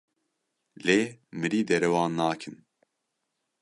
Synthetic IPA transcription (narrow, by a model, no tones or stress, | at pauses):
lemɨɾiːd̪ɛɾɛwɑːnːaːkʰɨn